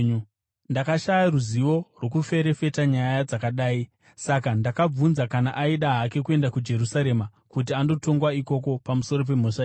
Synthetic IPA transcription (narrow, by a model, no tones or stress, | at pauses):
ndakaʃajaruziʋo̞rwo̞kufe̞ɾe̞fe̞taɲajad͡zakaɗaːi | sakandakab͡vunzakanaʔaiɗaɦake̞kue̞ndakud͡ʒe̞ɾusaɾe̞ma | kut̬iando̞to̞ŋɡwaiko̞ko̞pamuso̞ro̞p̬e̞moʂa